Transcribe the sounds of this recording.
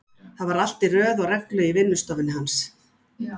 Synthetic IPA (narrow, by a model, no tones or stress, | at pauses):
θaðvaɾal̥t̪ɪrœːðɔɣrɛklœɥivɪnːʏst̪ɔvɪnɪɦans